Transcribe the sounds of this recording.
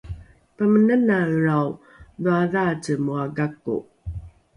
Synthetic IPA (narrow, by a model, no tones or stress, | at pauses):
pəmənənaəɾaw | ðuaðat͡səmuaɡakːṵ